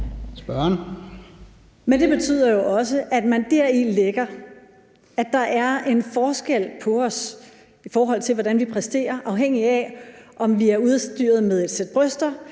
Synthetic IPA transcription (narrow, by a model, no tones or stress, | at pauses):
sb̥ɶɐn | mend̥e̝b̥e̝t͡sʰy̰ːð̞̰ˠɐjo̝ʔɒ̽s̬əʔæd̥mænd̥æɐ̰ileɡ̥ɐ | æ̥ɑ̈ʔæɐe̝nfɒːsɡ̥el̰pʰɒ̽ɒ̽s | ifɒːɦɒ̽l̰t͡sʰe̝lʋɒɾ̥ænʋipʰʁɛsd̥e̝̰ːɐʔɑ̈ʊɦeŋ̰iæʔɒ̽mʋiæɐuðˠsd̥y̰ːɐð̞ˠmeð̞ˠe̝d̥sed̥̚b̥ʁœsd̥ɐ